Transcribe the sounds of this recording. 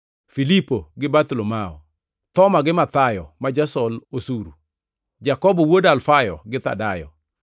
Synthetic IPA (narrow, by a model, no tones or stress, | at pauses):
filipoɡɪbat̪ulomaɔ | t̪ɔmaɡɪmat̪ajɔmad͡ʒasɔlosuɾu | d͡ʒakɔbɔwodalfajɔ̰ɡɪt̪a̰dajɔ̰